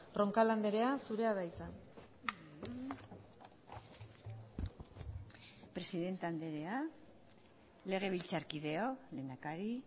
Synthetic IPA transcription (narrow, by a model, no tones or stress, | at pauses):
ro̞ŋkaland̪e̞ɾe̞asuɾe̞aðaisan | pɾe̞siðe̞nt̪eand̪e̞ɾe̞a | le̞ɣ̞e̞βilt͡saɾkiðe̞ole̞nd̪akaɾi